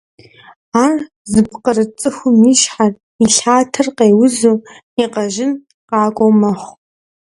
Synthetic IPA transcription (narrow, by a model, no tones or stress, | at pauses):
aːr | zɨpqərɨt͡sʼɨxʷʊmiʃħar | iɬaːtʰɐrqeːwʊzuː | iqɐʒɪn | qɑːkʷʼowmɐχʷ